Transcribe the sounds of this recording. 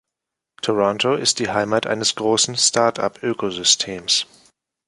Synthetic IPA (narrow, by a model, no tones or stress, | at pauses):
tʰɔʁɔntʰoɪst̚d̥iːɦaɪmaːtʔa̰ɪnəsɡ̥ʁoːsn̩stʰaɐtʰa̰pʔøːkozʏstʰeːms